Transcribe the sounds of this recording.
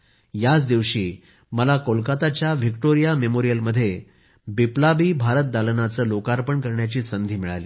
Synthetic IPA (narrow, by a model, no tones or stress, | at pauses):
jat͡sd̪iʋɕiː | məlakolkat̪at͡ɕjaʋikʈoɾijamemoɾijəlməd̪ʱːje | biplabiːbʱaɾət̪̚d̪alənat͡səːlokaɾpəɳkəɾɳjat͡ɕiːsənd̪ʱiːmiɭa̰lḭː